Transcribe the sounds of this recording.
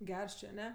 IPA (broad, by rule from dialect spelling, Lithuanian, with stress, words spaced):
ˈɡʲɛrs ˈt͡ʃʲeː ɐˈnʲɛ